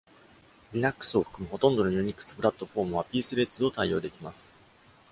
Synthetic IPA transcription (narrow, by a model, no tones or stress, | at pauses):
ɾʲiɾakːɯ̥sɨo̞ɸɯ̥kɯ̟mɯ̟ɦo̞t̪õ̞nd̪o̞nojɯ̟ːɲ̟ikːɯ̥sɨ̥pɯ̟ɾat̪ːo̞ɸo̞ːmɯ̟βapʲiːsɨɾe̞tt͡sɨo̞t̪aijo̞ːd̪e̞kʲimasɨ̥